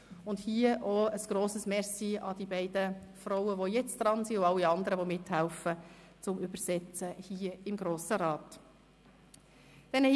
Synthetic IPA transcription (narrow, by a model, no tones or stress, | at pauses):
ʊnd̥hiəʔɔəsɡ̥ɾoːsəsmɛsiɑd̥̪ibɛɪd̥əfɾɔʊəʋɔjɛt͡sd̥ɾɑnsiʊɑlːiɑnd̪əɾəʋɔmɪthælfə | t͡sʊmybəsɛt͡səhiːəɪmɡɾoːsəɾɑːt | d̥ɛn